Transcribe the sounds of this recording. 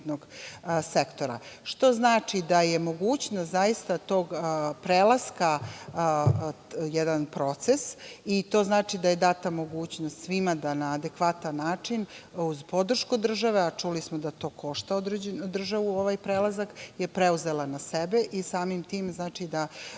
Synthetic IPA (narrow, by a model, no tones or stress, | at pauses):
t̪noɡsekt̪o̞ɾa̰ʃt̪o̞znaːt͡ʂid̪ajemoɡuːt͡ɕnost̪zajist̪at̪o̞ːɡpɾeːlˠaska | jɛd̪anpɾo̞t̪sesit̪o̞ːznaːt͡ʂid̪aje̞d̪at̪amo̞ɡuːt͡ɕnost̪sʋimad̪anaːd̪ekʋat̪anːaːt͡ʂinuzpo̞d̪r̩ʃkud̪r̩ʒaʋeat͡ʂulismod̪at̪o̞ːkʰo̞ʃt̪aod̪ɾed͡ʑenud̪r̩ʒaʋuo̞ʋajpɾelˠazakjepɾeuze̞lanasebeʔisaːmimt̪iːmznaːt͡ʂid̪a